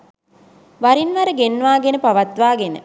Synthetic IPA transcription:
ʋaɾinʋaɾəɡenːʋaːɡenəpaʋat̪ʋaːɡenə̰

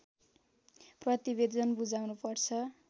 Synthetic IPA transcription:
prʌt̪ibed̪ʌnbud͡zawnupʌrt͡sʰʌ

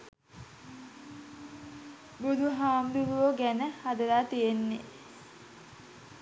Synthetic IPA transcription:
bud̪ʱuɦaːmd̪uɾuʋoɡænəhad̪əɾaːt̪ijenːḛ

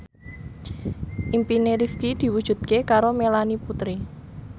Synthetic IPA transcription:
ʔimpineɾifkid̪̥i̤wud̥ʒ̥ṳt̪̚kekaɾomelaniput̪ɾi

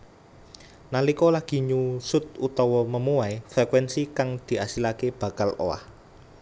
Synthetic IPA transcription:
nalikɔlaɡ̥i̤ɲusʊt̪̚ut̪ɔwɔməmuwaefɛkwɛnsikaŋd̪̥i̤asilakeb̥ä̤kalo̰wa̰h

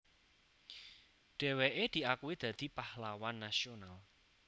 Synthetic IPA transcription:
ɖ̥ɛ̤weʔed̪̥i̤akuwid̪̥ä̤d̪̥i̤pahlawanːasional

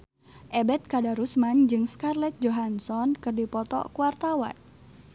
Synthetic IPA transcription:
ʔɛbɛt̪̚kadaɾusmand͡ʒɨŋskarlɛt̪̚d͡ʒoɦansɔnkɨrdipɔt̪ɔ̰kuwart̪awa̰n

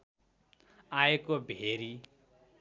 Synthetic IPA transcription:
aekobʱeɾi

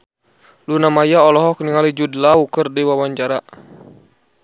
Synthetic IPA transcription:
lunamajaɔlɔɦɔk̚niŋalid͡ʒudlaukərdiwawaɲd͡ʒaɾa

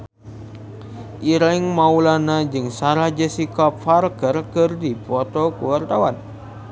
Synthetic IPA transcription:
ʔiɾɛŋmaulanad͡ʒɨŋsaɾahd͡ʒəsikap̚farkərkɨrdipɔt̪ɔkuwart̪awan

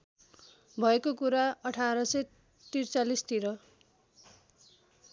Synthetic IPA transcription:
bʱʌekokuɾaʌʈʰaɾʌsʌ | t̪irt͡salist̪iɾʌ

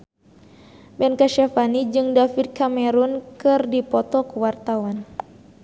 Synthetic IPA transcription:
bɛnkaʃafanid͡ʒɨŋdafid̚kamɛɾunkɨrdipɔt̪ɔkuwart̪awan

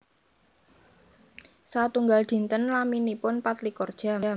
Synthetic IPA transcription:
sat̪uŋɡald̪̥i̤nt̪ənlaminipʊnpat̪likɔrd̥ʒ̥a̤

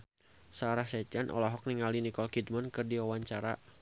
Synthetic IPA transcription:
saːɾahsɛd͡ʒanʔɔ̰lɔɦɔk̚niŋalinikɔlkid̚mankɨrdiwawaɲt͡ʃaɾa̰

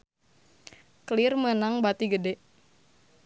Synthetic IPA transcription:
kəlirmənaŋbat̪iɡədɛʔ

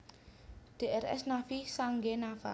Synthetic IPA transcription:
ɖ̥eʔɛrɛ̰snafisaŋɡenafa̰

